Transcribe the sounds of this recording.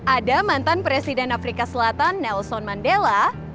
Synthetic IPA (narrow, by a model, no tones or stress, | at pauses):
ʔadamant̪anpɾesidɛnafɾikasəlat̪anːɛlsɔnmandela